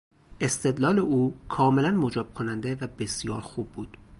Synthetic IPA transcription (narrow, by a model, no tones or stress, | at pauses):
ʔe̞st̪ʰe̞d̪lɒːle̞ʔuːkʰɒːme̞lænmod͡ʒɒːb̥̚kʰonænd̪e̞væbe̞sijɒːɾxuːbːuːd̪̥